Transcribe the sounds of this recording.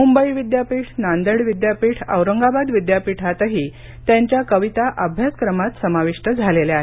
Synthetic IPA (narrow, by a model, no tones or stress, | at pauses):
mumbəiʋid̪japiːʈʰnand̪əɽʋid̪japiːʈʰə̰wɾəŋɡabad̪ʋid̪japiʈʰat̪əɦiː | t̪jaɲt͡ɕjakəʋit̪aʔəbʱjaskɾəmat̪səmaʋiʂʈəd͡zʱaleleaɦe